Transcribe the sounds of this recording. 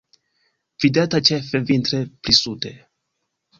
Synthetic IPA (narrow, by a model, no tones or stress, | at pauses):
vid̪eat̪at͡ʃefevint̪ɾepɾisud̪e